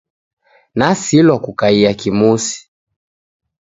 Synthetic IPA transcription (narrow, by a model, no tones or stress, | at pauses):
nasilɔkukaiakimusi̥